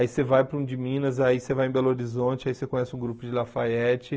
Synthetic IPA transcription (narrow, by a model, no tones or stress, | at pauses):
aisevajpɾũd͡ʒɪmĩnɐzaisevajẽbɛloɾizõt͡ʃɪaisekõɲ̃ɛsɪũɡɾupʊd͡ʒɪlafaɛt͡ʃɪ